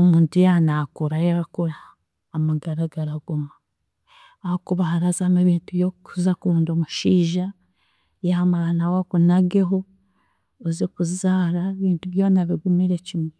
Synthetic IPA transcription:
omuːntujanakuɾajaakuɾaː | maɡaɾaɡaɾaɡumaː | hokuβahaɾazameβiːntuβjokuzakuːndomuʃiːʒa | jaamaanawakunaɡe̞ɦo | ozokuzaːɾaβiːntuβjo̞ːnaβiɡumiɾe̞cimwe

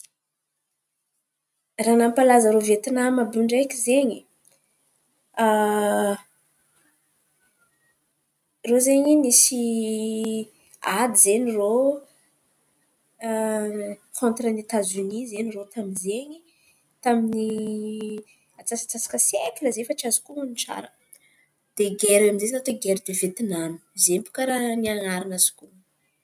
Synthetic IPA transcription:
ranampalazəɾovet̪inamabɾuɳɖ͡ʐekʲizeɲi | rozeɲimisi | ad̪izeɲiro | kʰont̪ɾənet̪azunizeɲirot̪aminzeɲi | t̪amini | at͡sasḁt͡sasḁkəsekiləzefəʈ͡ʂiazi̥kuuniʈ͡ʂa̰ɾə | d̪̥eɡeɾamizezinat̪oɡeɾid̪evet̪inanu̥izempu̥kaɾaniaŋaɾinaz̥i̥ku

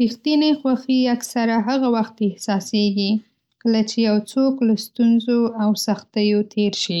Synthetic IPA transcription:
ɾixt̪inexwaxiaksaɾaɦaɣawaxt̪ɪhsɑseɡi | kəlat͡ʃejawt͡soklast̪unzoawsaxt̪əjot̪ʰeɾʃi

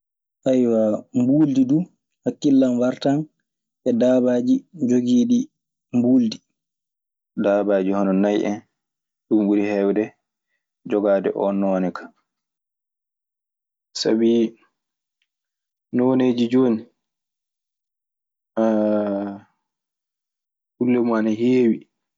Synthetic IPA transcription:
ʔajwambuːldidu | hakːilːanwaɾtan | ʔɛdaːbad͡ʒid͡ʒoɡiːɗi | mbuːldi | daːbaːd͡ʒihɔnɔnajʔɛ̰n | ɗumɓuɾihɛwdɛ | d͡ʒɔɡaːdɛ̰ʔɔnːɔːnɛkʰḁ | sa̰bi | nɔneːd͡ʒid͡ʒoːni | hulːɛmanaɦeːwi

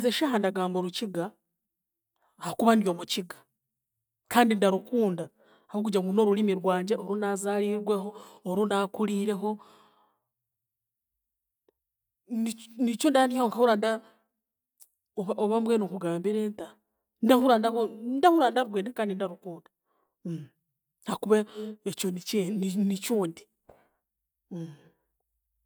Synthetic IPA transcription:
zeʃaːɦandaɡaːmboɾuciɡa | hokuβandijo̞ːmuciɡḁ | kaːndindaɾukuːnda | ahok̬ud͡ʒaŋuno̞ɾulimiɾwaːɲɟaoɾunazaːɾiɾwe̞ɦo̞ːɾunakuliːɾe̞ɦo̞ | nit͡ʃuːndianiaoŋkahuɾanda | oβaoβamwenokuɡaːmbiɾenta | ndahuɾandahondahuɾandaɾuɡweːndakaːndindaɾukuːdḁ | hakuβeet͡ʃonit͡ʃennit͡ʃuːndi

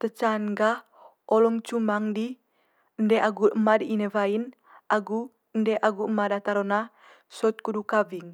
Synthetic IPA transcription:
t̪ət͡ʃanɡa | ɔlɔŋt͡ʃumaŋdi | ndɛaɡuəmadiinevain | ʔaɡu | ndɛʔaɡuəmadat̪aɾɔna | sɔt̪̚kudukaviŋ

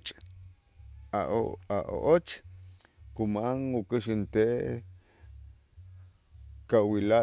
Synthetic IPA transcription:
t͡ʃʼ | aaʔo̰ʔot͡ʃ | kumaŋukiʃint̪eʔ | kawila

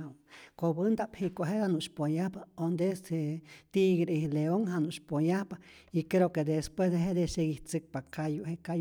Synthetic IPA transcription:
wkobɨnd̪aphikʷoɦed̪anuʃpojahpaond̪eset̪iɡɾihleoŋɦanuʔʃpojahpaikɾeoked̪espwesd̪eɦed̪eʃeɡiht͡sɨk̚pakajuheka

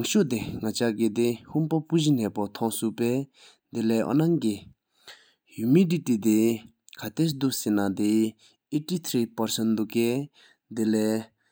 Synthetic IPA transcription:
ŋɕoʔt̪eŋat͡ɕaɡed̪ehumpapuʑinɛːpot̪ʰɔŋsuʔpɛː | d̪elɛːʔɔ̰naŋki | jumiɖ͡ʐiʔt̪it̪e | kʰat̪esd̪uʔsenad̪e | etit̪ʰɾiːpaɹsənd̪uʔkɛ | d̪elɛː

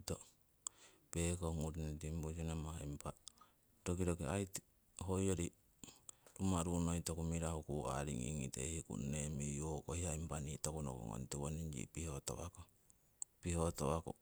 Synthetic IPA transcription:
to | pekoŋuɾnitimbusinemaimpa | ɾokiɾokiajti̥ | ɦojoɾi | ɾumaɾunoitokumiɾahukua̰ɾiŋḭŋḭtḛhikṵnːemijokohiaimpanitokuno̰ko̰ŋo̰ntiwoniɲd͡ʒḭpihoto̰wa̰ko | pihotowako̰

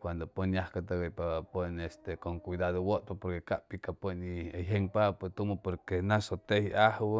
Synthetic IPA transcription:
kwand̪oponjahkat̪aɡapapənest̪ekoŋkwid̪aðowot̪̚papoɾkekaʔpikapənieɦeŋpapt̪umopoɾkenasot̪ehiahw

